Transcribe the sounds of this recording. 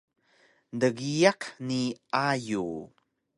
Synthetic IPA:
ndəɡijaqniʔaju

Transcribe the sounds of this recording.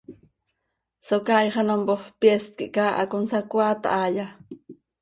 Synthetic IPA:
sokajχɑnompoχpjest̪̚kiʔkaːʔa̰konsakwaːt̪a̰ʔaːja

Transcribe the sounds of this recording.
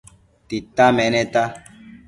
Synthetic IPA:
t̪it̪ːamɛnɛt̪a

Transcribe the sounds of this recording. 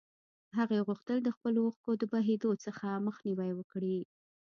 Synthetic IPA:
ɦaɣeɣuxt̪əld̪əxpəloxkod̪əbaɦed̪ot͡səxaməxniwajwəkɽi

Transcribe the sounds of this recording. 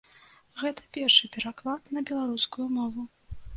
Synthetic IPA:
ɣɛt̪ɐ̥pʲɛrʂɨpʲɛɾaklˠat̪nɐbʲɛlˠaɾuskujumɔvu

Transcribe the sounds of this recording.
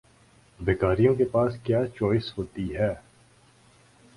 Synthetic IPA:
beːkaːɾijõkepaːskjaːt͡ʃoːɪsɦoːt̪iɦɛː

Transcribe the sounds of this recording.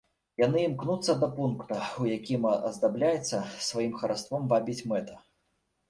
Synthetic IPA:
janɨimknut̪sːɐd̪ɐpunkt̪ɐujakʲimɐ̰zd̪ablʲajɛt̪sːɐsvajimxɐɾast̪vɔmvabʲit͡sʲmɛt̪ɐ̥

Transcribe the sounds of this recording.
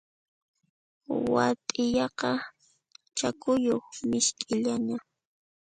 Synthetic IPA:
wa̰t̪ʼɪjɑqɑ | t͡ʃakʊjoχmɪʃkʼɪʎaɲa

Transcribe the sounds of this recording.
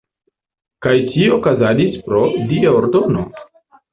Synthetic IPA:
kajt͡ʃiokazadispɾo̞diaoɾdo̞no̞̰

